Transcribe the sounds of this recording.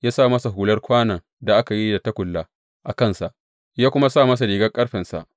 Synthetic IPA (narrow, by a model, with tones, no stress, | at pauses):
jaː˦saː˦˨mɐ˦sa˨ɦuː˨lɐ˦rkʷaː˦nɐ˨ŋ | da˨ʔa˦ka˨ji˦da˨ta˦kʷʊ˨lːa˦ | ʔa˨kɐ˦˨nsa˨ʔ | jaː˦kʷʊ˦ma˦saː˦˨mɐ˦s̬a˨ɽiː˨ɡɐ˦kʼɐ˦ɽɸɛ˨nsa̰˨ʔ